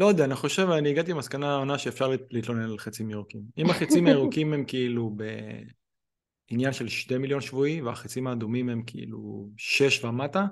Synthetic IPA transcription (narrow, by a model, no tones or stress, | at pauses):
lo̞jd̪eaːniχo̞ʃe̞vaniːɡat̪ibmaskanaonaʃeeːfʃaʁlliːt̪lonenlalχet͡simeʁukimimaχet͡simaeʁukimhemkiilubḛ | injanʃe̞lʃte̞miljo̞nʃvuiveaχet͡simaːd̪umimhe̞mkʰḛḭlṵʃe̞ʃvamata